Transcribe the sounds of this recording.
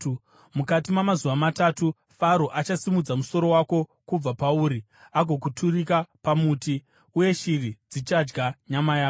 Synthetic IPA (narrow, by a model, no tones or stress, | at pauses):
mukatimamazuʋamatatu | faɾoʔat͡ʃasimud͡zamuso̞ɾo̞wako̞kub͡vapauːɾi | aɡʱo̞k̬utʰurikapamuːti | uje̞ʃirid͡zit͡ʃad͡ʒɡaɲamajaːo